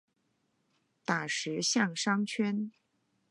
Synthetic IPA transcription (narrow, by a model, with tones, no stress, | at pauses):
t̪a˨˩ʂɻ̩˧˥ɕjɑ˥˩ŋʂɑ˥ŋt͡ɕʰɥɛ˥n